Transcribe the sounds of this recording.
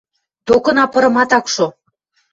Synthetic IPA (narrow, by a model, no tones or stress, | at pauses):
t̪okɤ̆nɑpɤ̆ɾɤ̆mɑt̪ɑkʃo